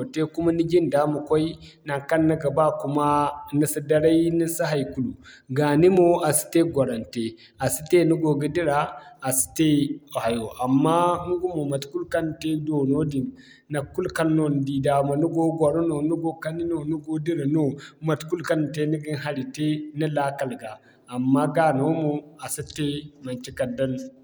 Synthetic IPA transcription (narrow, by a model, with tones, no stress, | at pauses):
te˦ku˦ma˦ni˦ɡi˦nda˦mu˨kʷo˦i˦ | na˨ŋka˦nːa˦ɡa˨ba˦ku˦ma˦ni˦si˦da˦ɾa˦ji˦ni˦sa˦ɦa˨jku˦˨lu˨ɡa˨ni˦mo˦a˨si̥˨te˦ɡʷo˨ɾa˨nte˨ | a˨si˦te˦nu˦ɡo˨ɡi˦di˦ɾa˨a˨si̥˨te˦˨ha˨jo˨ʔa˨mːa˦nu˦ɡu˦mo˨ma˨tku˦lka˦nte˦do˨no˦di˨nː | a˨ku˦lka˦lno˦n˨di˨da˨mo˨nu˦ɡo˦ɡʷo˨ɾo˦no˨nu˦ɡo˦ka˦ni˦no˨nu˦ɡo˦di˦ɾa˨no˦ma˨tku˦lka˦n˨te˦ni˦ɡi˦nɦa˨ɾi˨te˦ni˦la˦ka˨lɡaː˨ | mːa˦ɡa˦no˦mo˨a˨si˦te˦ma˨t͡ʃi˦ka˨da˦n